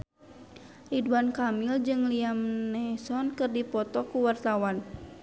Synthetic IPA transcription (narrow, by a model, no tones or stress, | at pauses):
ʔiduankamild͡ʒɨŋliamnɛsɔnkɨrdipɔt̪ɔkuwart̪awan